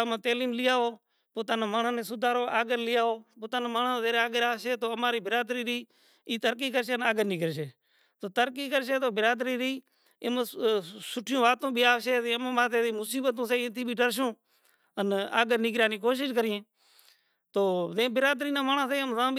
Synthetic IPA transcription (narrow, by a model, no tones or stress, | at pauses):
amãːt̪eːliːmlɪjaːoː | poːt̪aːnãːmaːɳãːnẽːsʊd̪ʱaːɾoːʔaːɡəɾlɪjaːoːpoːt̪aːnãːmaːɳãːzeːaːɡəɾaːʃeːt̪oːəmaːɾiːbɪɾaːd̪ɾiːɾiː | iːt̪əɾk̬iːkəɾʃeːənaːɡəɾniːɡəɾʃeː | t̪oːt̪əɾkiːkəɾʃeːt̪oːbɪɾaːd̪ɾiːɾiː | ɪməsʊʈʰɪjõːʋaːt̪õːbʱiːaːʃeːzẽːm̃ːmaːt̪eːĩːmʊsiːbət̪õːseːt̪ʰiːbʱiːʈəɾʃ̬õː | əna̰ːɡəɾnɪɡɾaːniːkoːʃ̬ɪʃkəɾɪjẽː | t̪oːzẽːbɪɾaːd̪ɾiːnãːmaːɳãːseːəmzãː